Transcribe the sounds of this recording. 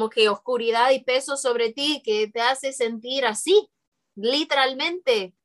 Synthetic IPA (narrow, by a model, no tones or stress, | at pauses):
oke̞oskuɾiðaðipe̞so̞so̞βɾe̞t̪iket̪ease̞se̞nt̪iɾasi | lit̪eɾalmẽ̞nt̪e̞